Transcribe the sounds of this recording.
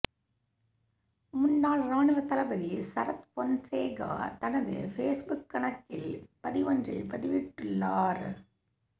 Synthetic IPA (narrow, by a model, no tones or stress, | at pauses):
mʊnːaːlɾaːɳɯʋɐt̪ɐlɐbɐðisɐɾɐt̪pɔnseːɡa̰ːt̪ɐnɐðɯ̰feːsbʊkːɐɳɐkːɪlpɐðɪʋɐndrɐ̰pɐðɪʋɪʈːɯɭːaːɾ